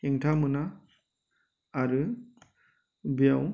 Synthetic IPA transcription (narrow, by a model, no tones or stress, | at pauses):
eŋtʰamɯna | ɾɯ | bijaw